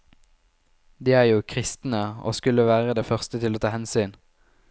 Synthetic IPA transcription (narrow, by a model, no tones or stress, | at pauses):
d̪iːæːʁjuːkʰʁɪst̪n̩əo̰ːskʉləʋæːʁəd̪eːfœʁst̪ət̪ʰɪloːt̪ʰɑːhɛnsyːn